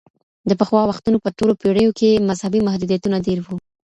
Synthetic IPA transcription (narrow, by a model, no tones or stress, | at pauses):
d̪əpəxwɑwaxt̪unopəʈolopeɽəjokʰemazhabimahd̪ud̪ijat̪unad̪eɾwu